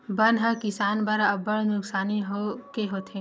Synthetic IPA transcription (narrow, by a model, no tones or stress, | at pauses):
bɐnɦakɪsaːnbɐɾɐbɐɽnʊksaːniɦokeɦoːt̪ʰẽ